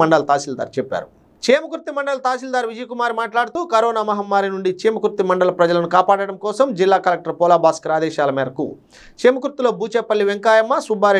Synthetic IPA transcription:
ɐɳɖɐlɐt̪aːsild̪a̰ːɾt͡ʃɛpːa̰ːɾu | t͡ʃeːmɐkuɾt̪ːimɐɳɖɐlɐt̪aːsild̪aːɾʋid͡ʒɐjɐkumaːɾimaːʈlaːɽut̪uːkɐɾɔːnaːmɐɦɐmːaːɾinuɳɖit͡ʃeːmɐkuɾt̪ːimɐɳɖɐlɐpɾɐd͡ʒɐlɐnukaːpaːɽɐɽɐmkɔːsɐmd͡ʒilːaːkɐlek̚ʈɐɾpɔːlaːbaːskɾaːd̪ɛːʃaːlɐmeːɾɐkṵ | t͡ʃeːmɐkuɾt̪ːiloːbuːt͡ʃeːpːɐɭːiʋeŋkaːjɐmːɐsubʱaːɾ

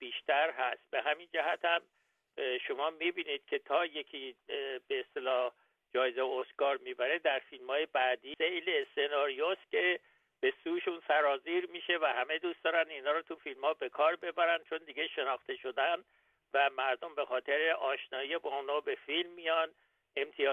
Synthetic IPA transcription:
b̥iːʃt̪ʰæɾɦæst̪̚beɦæmind͡ʒæɦæt̪ʰæm | ʃomɒːmibiːnid̪̥̚cʰe̞t̪ʰɒːje̞cʰib̥e̞ːst̪e̞lɒːh | d͡ʒɒːjezejosɡɒːɾmibæɾed̪æɾfilmhɒːje̞bæːd̪iːsejleːsenɒːɾijost̪̚kʰe̞ | b̥e̞suːʃunsæɾɒːziɾmiːʃe̞væhæme̞d̪uːst̪ɒːɾænd̪iːnhɒːɾɔt̪ʰufilmhɒːbe̞kʰɒːɾbe̞bæɾænd̪̚t͡ʃʰo̞nd̪iɟe̞ʃe̞nɒːxt̪ʰe̞ʃo̞d̪ænd̪ | væmæɾd̪o̞mbe̞xɒːt̪ʰe̞ɾeʔɒːʃnɒːijebɒːunɒːbe̞filmːijɒn | e̞mt̪ʰijɒː

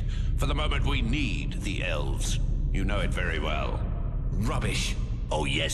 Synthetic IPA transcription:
fə˞ðəmõʊ̃mɨ̃nʔwinid̪̚ðḭʔɛ̰lˠvz̥jɨnoʊɨtv̥ɛɹḭwɛ̰lˠ | ɹʌbɪʃ | oʊjɛ

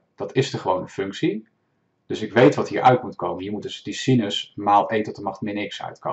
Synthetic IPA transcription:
d̥ɑtʰɪsdəɹχəʋownənfʏŋksi | d̥ɵsɪkʋejtʋɑtɦiːɹʔœ̰ɥtmutkowməɦiːɹmutdəsdisinəsmaːlˠejtəɔtdəmɑχtmɪːɹnɪksœ̰ɥtkɑ̰

